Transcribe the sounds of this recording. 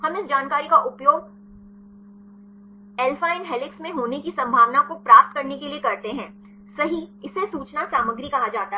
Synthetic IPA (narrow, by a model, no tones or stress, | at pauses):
hɐmɪsd͡ʒaːnkaːɾikaʔʊpjoːɡ̚ | ɛːlfaːɪnɦɛːlɪksmẽɦoːnekisɐ̃mbʱaːʋnakopɾaːp̚t̪kɐɾnekeliekɐɾt̪eɦɛ̃ː | sɐɦiɪsesuːt͡ʃnasaːməɡɾikɐɦad͡ʒaːt̪aɦ